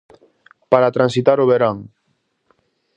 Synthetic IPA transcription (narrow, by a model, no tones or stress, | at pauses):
paɾat̪ɾãnsit̪aɾoβ̞eɾaŋ